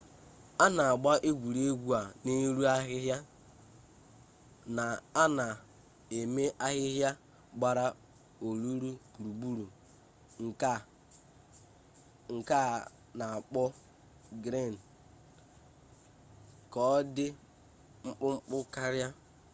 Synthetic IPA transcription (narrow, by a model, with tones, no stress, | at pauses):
a˦na˨a˨ɡ͡ba˦ʔe˦ɡʷu˨ɾe˦ɡʷu˦a˨ne˦ɾu˦a˦ɦɪ˦ɦja˦ | na˨a˦na˨ | e˨me˦ʔa˦ɦɪ˦ɦja˦ | ɡ͡ba˦ɾa˦ | o˨ɾu˦ɾu˦ku˨ɾu˨bu˦ɾu˨ | ŋ̩˨k | ŋ̩˨ka˦˨ | na˨a˨k͡pɔ˦ | ɡɾe˦˨n˨ | kɔ˨˦dɪ˦ | ŋ͡m̩˦k͡pʊ˦ŋ͡m̩˦k͡pʊ˦ka˦ɾja˦